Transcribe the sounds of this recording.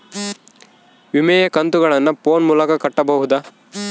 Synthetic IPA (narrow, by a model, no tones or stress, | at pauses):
ʋimɛjɐkɐnt̪uɡɐɭɐnːɐpoːnmuːlɐkɐkɐʈːɐbɐɦud̪ɐ